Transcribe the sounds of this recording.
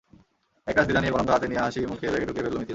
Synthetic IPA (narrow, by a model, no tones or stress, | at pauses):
ɛk̚ʈasd̪ilanijekɔɾond̪ɾat̪iniaɦaʃimukʰebɛkeɖukefeɾlomit̪il